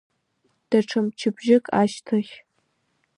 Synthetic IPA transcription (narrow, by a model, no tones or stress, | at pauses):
d̥aʈ͡ʂʰɨmt͡ʃʰɪbʒɪkʼaːʃtʰoχʲ